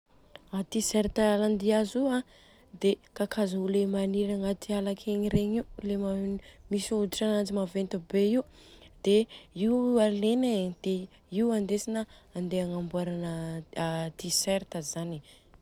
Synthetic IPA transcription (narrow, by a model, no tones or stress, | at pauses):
at̪isɛɾt̪aland̪iazuã | d̪ekakʰazulemaniɾaŋat̪ʰialakʰeɲiɾeɲiulemamisud̪iʈ͡ʂanant͡simavent̪ubeiw | d̪̥eialened̪̥e | iuand̪esinaand̪eaŋambuaɾanə | t̪iseɾt̪əzani